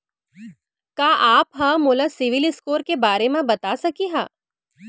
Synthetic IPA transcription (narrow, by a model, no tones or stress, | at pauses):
kaːʔaːpɦɐmʊːlasɪʋɪlɪskoːɾkebaːɾemẽbɐt̪asɐkiɦaː